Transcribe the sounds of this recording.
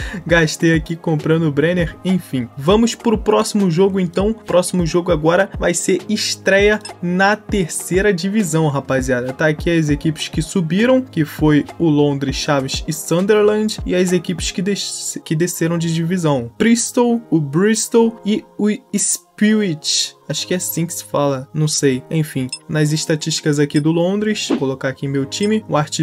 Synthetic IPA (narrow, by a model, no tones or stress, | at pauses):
ɡaʃt̪ejakikõmpɾɐ̃nd̪ʊbɾẽneɾẽj̃fĩvɐ̃mʊspɾʊpɾɔsimʊʒoɡʊẽnt̪ɐ̃w̃pɾɔsimʊʒoɡʊaɡɔɾɐvajseɾɪʃt̪ɾɛjɐnɐt̪eɾsejɾɐd͡ʒivizɐ̃w̃ɦapaziad̪ɐt̪aːkiɐzekipɪ̥ʃkɪsubiɾɐ̃w̃kɪfojʊlõd̪ɾɪʃavisɪsɐ̃nd̪eɾlɐ̃d͡ʒɪazekipɪ̥skɪd̪ekɪd̪eseɾɐ̃w̃d͡ʒɪd͡ʒivizɐ̃w̃pɾist̪owʊbɾist̪owɪʊispiit͡ʃaʃʊ̥kɪɛasĩkɪ̥sɪ̥falɐnɐ̃w̃sejẽj̃fĩnɐzɪʃt̪at͡ʃiʃt͡ʃi̥kɐzakid̪ʊlõd̪ɾɪʃkolokaɾakiẽmewt͡ʃĩmɪũaɾt͡ʃi